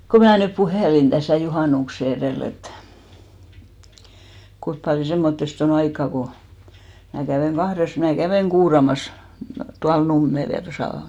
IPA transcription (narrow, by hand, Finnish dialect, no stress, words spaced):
ko mæː nyp puheˑlin d̥æsæˑ juhɑˑnukse ereˑl et kuip pɑljo semːotːest on ɑikːɑ ko mæ kæʋeˑŋ ɡ̊ɑhres mæː kæʋeˑŋ ɡ̊uːrɑmɑs tuɑl numːel jɑ tosɑˑ